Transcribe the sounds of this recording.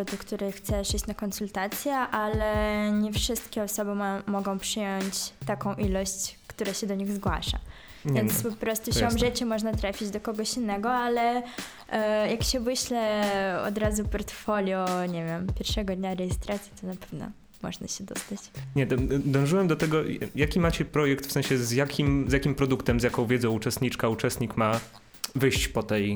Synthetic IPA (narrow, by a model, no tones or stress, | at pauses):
d̪ɔkt̪uɾɛxt̪sɛʂiɕt͡ɕnakɔnsult̪at̪sʲjɛʔalɛɲɛfʂɘst̪kʲɛɔsɔbɘmmːɔɡɔ̃w̃pʂɘjɔɲt͡ɕt̪akɔ̃w̃ʔilɔɕt͡ɕkt̪uɾaɕɛd̪ɔɲiɣzɡwa̰ʂa̰ | vʲjɛnspɔpɾɔst̪uɕɔmʐɘt͡ɕɛmɔʐnat̪ɾafʲid͡ʑd̪ɔkɔɡɔɕinːɛɡɔalɛ | jakɕɛvɘɕlɛɔ̰d̪ɾazupɔɾt̪fɔlʲjɔɲevʲjɛmpʲjɛɾʂɛɡɔd̪ɲaɾɛjɛst̪ɾat̪sʲjit̪ɔnapɛ̥vnɔ̰ | mɔ̰ʐna̰ɕɛd̪ɔ̰st̪at͡ɕɲɛt̪ɔd̪ɔ̃w̃ʐɨwɛmd̪ɔt̪ɛɡɔjakʲimat͡ɕɛpɾɔjɛkt̪fsɛ̃ɕɛzjakʲimzʲjakʲimpɾɔd̪ukt̪ɛmzjakɔ̃w̃vʲjɛd̪zɔ̃w̃ut͡ʂɛst̪ɲit͡ʂkaut͡ʂɛst̪ɲikma | vɘɕt͡ɕpɔt̪ɛj